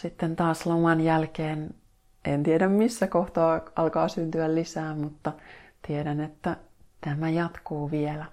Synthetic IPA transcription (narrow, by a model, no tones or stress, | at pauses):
sit̪ːent̪ɑːslomɑnjælkeːn | ʔent̪iedæmmisːækoht̪ɑːʔɑlkɑːsynt̪yællisæːmut̪ːɑt̪ieɾænet̪ːæ | t̪æmæjɑt̪kuːʋielæ